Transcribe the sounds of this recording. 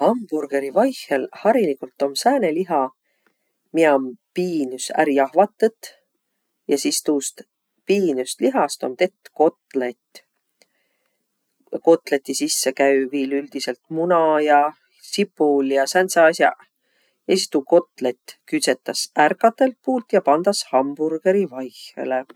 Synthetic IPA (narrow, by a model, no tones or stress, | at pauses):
hɑmb̥urɡ̥e̞ɾivɑjhelhɑɾilikult̪ːˑo̞msæːne̞liɦɑ | miɑmpiːnysæ̰ɾiɑhvɑt̪ːˑet̪ːˑ | jɑsist̪uːst̪ | piːnyst̪liɦɑst̪o̞̰mt̪et̪ːko̞t̪let̪ | ko̞t̪ˑlet̪ːˑisisːekæɥviːlyld̪̥ise̞lt̪̚munɑjɑ | sipːˑuljɑsænt̪sɑːsʲjɑ̰ | jɑsist̪uːko̞t̪ˑlet̪ːkyt̪se̞t̪ːˑɑsærkːˑɑt̪ːˑe̞lt̪̚puːlt̪jɑpɑnd̪̥ɑshɑmb̥urɡ̥e̞ɾivɑjxḛle